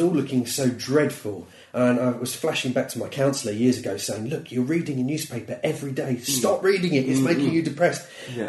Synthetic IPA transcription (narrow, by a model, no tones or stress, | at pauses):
ɔlʊkɪ̃ŋsoʊdɹɛd̥fəlˠ | ʔə̃naɪwʌz̥flaʃɪ̃ŋbak̚tʰəmaɪkʰãʊ̃nsl̩ˠəjɪɹzəɡoʊseɪɪ̃ŋlʊkʰjəɹiːdɪ̃ŋənjʉːz̥pʰeɪpə˞ʔɛvɹideɪstɑpɹiːɾɪ̃ŋɪʔɨ̃smeɪkɪ̃ŋjɨdɨpʰɹ̥ɛst